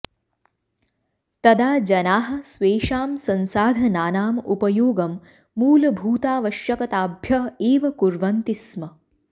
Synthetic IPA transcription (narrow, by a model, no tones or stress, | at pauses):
t̪ɐd̪aːd͡ʒɐnaːɦɐ̆sʋeːʂaːmsɐnsaːd̪ʱɐnaːnaːmupɐjoːɡɐmː | uːlɐbʱuːt̪aːʋɐʃjɐkɐt̪aːbʱjɐeːʋɐkuɾʋɐnt̪ismɐ